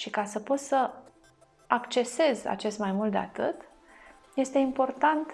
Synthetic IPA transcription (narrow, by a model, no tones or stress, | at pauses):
ʃikasəpo̞t̪sə | akt͡ʃe̞se̞za̰t͡ʃe̞st̪majmult̪d̪ea̰t̪ɨ̰t̪ | je̞st̪e̞impo̞rt̪ant̪